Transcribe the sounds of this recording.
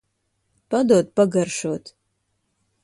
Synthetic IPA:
pɐdoːt̚pɐɡɐrʂotʰ

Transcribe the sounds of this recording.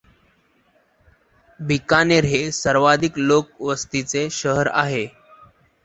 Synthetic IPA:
bʱikaneɾɦesəɾʋad̪ʱiklok̚ʋəst̪it͡seɕəɦəɾa̰ɦe

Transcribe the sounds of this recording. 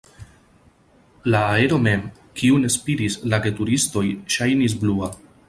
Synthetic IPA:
laːe̞ɾo̞me̞m | kiune̞spiɾislaɡe̞tuɾisto̞jʃajnis̬blua

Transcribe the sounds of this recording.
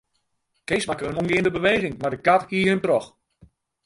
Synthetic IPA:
kejsmakəənunɡɪːən̩dəbəʋejɣɪŋmardəkatkiəhəmtrɔx

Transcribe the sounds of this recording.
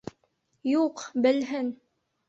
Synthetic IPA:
juqbɘ̆lɦɘn

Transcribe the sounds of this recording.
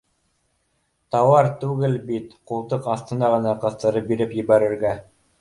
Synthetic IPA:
t̪ɑwɑɾt̪ʉɡɘlbit̪qulˠt̪ɤqɑθt̪ɤ̆nɑʁɤ̆nɑqɤ̆θt̪ɤ̆ɾɤp̚biɾɘpjɘ̆βæɾɘ̆ɾɡæ

